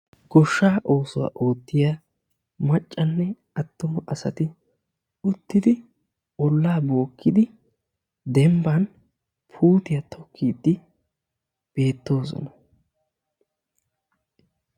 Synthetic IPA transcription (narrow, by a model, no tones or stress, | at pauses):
ɡ̥ɔʃːaːʔo̞ːsʊwa̰ːʔo̞ːt̪ːɪjaː | mɐt͡ʃʼːɐnːɛ | ɐt̪ːɔmʔɐsɐt̪ɪ | ʊt̪ːɪd̪ɪ | ɔlːaːbo̞ːkːɪd̪ɪ | d̪ɛmbɐn | pʰuːt̪ɪjɐt̪ʰɔkʰːiːd̪ːɪ | b̥e̞ːt̪ːo̞ːsɔ̰nɐ